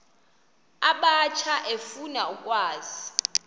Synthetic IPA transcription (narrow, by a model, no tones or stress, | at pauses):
aɓat͡ʃʰaʔefunaukʼwaːzi